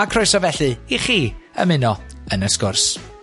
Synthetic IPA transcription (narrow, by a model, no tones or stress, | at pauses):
akʰrɔjsɔvɛɬɨiχiːə̰mɪnɔənəskʊrs